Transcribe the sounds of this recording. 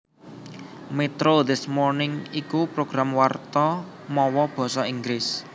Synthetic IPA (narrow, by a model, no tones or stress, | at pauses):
met̪ɾoðɪsmɔrnɪŋikupɾoɡ̥ɾamwart̪ɔ | mɔwɔb̥ɔ̤sɔiŋɡɾɪs